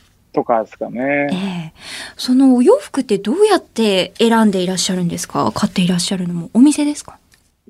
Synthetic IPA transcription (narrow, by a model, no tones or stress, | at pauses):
t̪o̞kasɨ̥kaneeso̞no̞ːjo̞ːɸɯ̟̥kɯ̟t̪ːe̞d̪o̞ːjat̪ːe̞ːɾãnd̪e̞iɾaɕːaɾɯ̟̃nd̪e̞sɨ̥ka̰kʰat̪ːe̞iɾaɕːaɾɯ̟no̞mo̞ʔomʲise̞d̪e̞sɨ̥kḁ